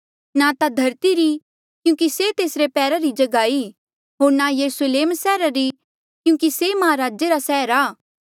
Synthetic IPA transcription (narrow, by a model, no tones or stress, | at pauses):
nat̪ad̪ʱɐɾt̪iɾi | kjũːkiset̪eːsɾepɛːɾaɾid͡ʒɐɡaːi | ɦoːɾnajɐɾusleːmsɛːɾaɾi | kjũːkisemɐaɾaːd͡ʒeɾasɛːɦɾaː